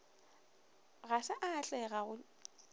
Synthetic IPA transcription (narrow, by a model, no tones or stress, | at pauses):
ɣasɪʔat͡ɬʼɛɣaɣʊ